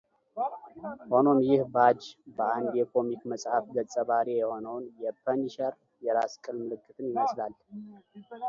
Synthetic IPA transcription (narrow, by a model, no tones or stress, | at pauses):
ho̞no̞mjɪhbad͡ʒbəand̪jɛkʰo̞mikməsʼhafɡət͡sʼːəβaɾijɛho̞nəwnjɛpʰəniʃəɾ | jɛɾaskʼɨlmɨlɨkʰʼːɨt̪ʼɨnjɪməslal